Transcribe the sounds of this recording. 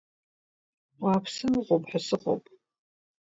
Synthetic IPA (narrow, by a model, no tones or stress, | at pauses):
waːpʰsɨmɨʁʷopʼħasɨχo̰pʼ